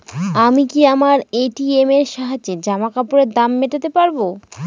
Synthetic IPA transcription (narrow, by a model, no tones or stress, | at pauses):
amikiamaɾeʈiemeɾʃaɦad͡ʑed͡ʑamakapoɾeɾd̪amːeʈat̪epaɾbo